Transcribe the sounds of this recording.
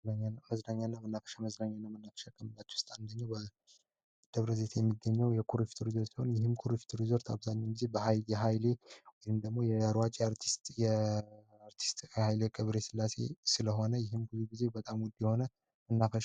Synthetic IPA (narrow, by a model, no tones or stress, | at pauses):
aɲaməznaɲːanːamənːafə̥ʃaməznaɲːanːamənːafə̥ʃakʼəmɨlːat͡ʃːɛ̥ʊst̪ʼand̪əɲːawbə | d̪̥əβɾəze̞t̪ʰjɛmːiɡːəɲːɛwjɛkʰuɾifi̥t̪ʰʼuɾizo̞tt͡ʃsiho̞njɪɦɨmkʰuɾifi̥t̪ʰʼuɾizoɾt̪ʰaβzaɲːɛwɡize̞bəhajjɛɦajle̞wɔjɨmd̪əɡmo̞jɛəɾwat͡ʃʼeaɾt̪ʰi̥st̪ʼjɛ | aɾt̪ʰi̥st̪ʼjɛhajlekʼɨβɾe̞sɨlːase̞̰sɨləɦo̞nəjɪɦɨmbɨzuɡize̞bət̪ʼamwd̪ːijɛhonə | mənːafəʃ